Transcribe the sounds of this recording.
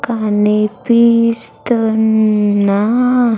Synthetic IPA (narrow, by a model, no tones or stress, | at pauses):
kanepist̪ənːa